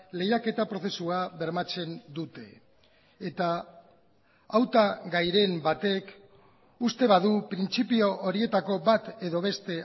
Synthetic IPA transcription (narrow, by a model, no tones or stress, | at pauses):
le̞jake̞t̪apɾo̞θe̞suaβe̞ɾmat͡se̞nd̪ut̪e̞ː | t̪a | wt̪aɣajɾe̞mbat̪e̞k | ust̪e̞βaðupɾint͡sipio̞ʔoɾie̞t̪ako̞βat̪e̞ðo̞β̞e̞st̪e̞